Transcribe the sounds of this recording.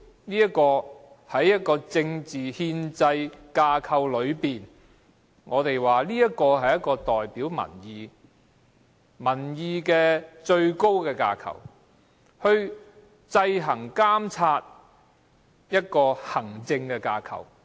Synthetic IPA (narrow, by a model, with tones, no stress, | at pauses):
niː˥ɐ˥tkɔː˧ | hɐ˨˥jːɐ˥t̚kɔː˧t͡sɪ˧ŋt͡siː˨hiː˧nt͡sɐ˧jkaː˧kʰɐ˨˧wlɵ˨˧ɥpiː˨˩n | ŋɔː˨˧t̪e˨jwaː˨liː˥jɐ˥t̚kɔː˧ɦɐ˨˩jɐ˥t̚kɔː˧t̪ɔː˨jpiː˨˥wmɐ̰˨˩njiː˨˧ | mɐ˨˩njiː˨˧kɛː˧t͡ʃɵ˧ɥko˥wkɛː˧kaː˧kʰɐ̰˨˩w | hɵ˧ɥ | t͡sɐ˧jɦɐ˨˩ŋkaː˥mt͡sʰaː˧t̚ | jɐ˥t̚kɔː˧hɐ˨˩ŋt͡sɪ˧ŋkɛː˧kaː˧kʰɐ̰˨˩w